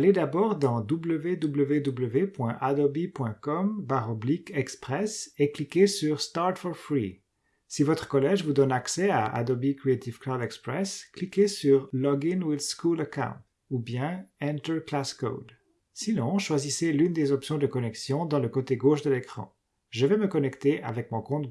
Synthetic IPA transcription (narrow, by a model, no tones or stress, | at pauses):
aled̪abɔʁd̪ɑ̃d̪ubləved̪ubləved̪ubləvepwɛ̃ʔad̪ɔbipwɛ̃kɔmbaʁɔblikɛkspχɛseklikʲesyʁst̪aʁt̪fɔʁfʁi | sivɔt̪χə̥kɔlɛʒvud̪ɔnaksɛa̰ʔa̰d̪ɔbikχiet̪ivklad̪ɛkspχɛsklikesyʁlɔɡinwilskulakã̰w̃t̪ | ubjɛ̃ɛ̃nt̪əklasko̰d̪ | sinɔ̃ʃwaziselynd̪ezɔpsjɔ̃d̪əkɔnɛksjɔ̃d̪ɑ̃ləkot̪eɡoʃd̪əlekχɑ̰̃ | ʒəvɛməkɔnɛkt̪eʔa̰vɛkmɔ̃kɔ̃t̪